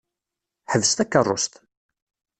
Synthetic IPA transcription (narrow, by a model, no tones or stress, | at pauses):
ħəvːəst̪ækːərˤːo̰st̪